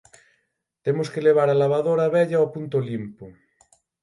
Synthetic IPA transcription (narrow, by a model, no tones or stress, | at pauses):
t̪emoskeleβ̞aɾalaβ̞aðoɾaβɛʎaopunt̪olimpo